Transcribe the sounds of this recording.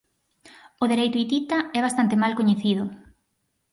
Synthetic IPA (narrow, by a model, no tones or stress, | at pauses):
ʊðeɾejt̪ʊit̪it̪aɛβast̪ant̪emalkoɲeθiðʊ